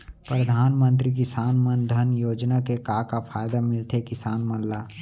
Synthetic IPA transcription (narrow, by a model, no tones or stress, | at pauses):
pɾəd̪ʱaːnmə̃nt̪ɾik̬ɪsaːnmənd̪ʱənjoːd͡ʒnakekaːkapʰaːjd̪amɪlt̪ʰekɪsaːnmənlaː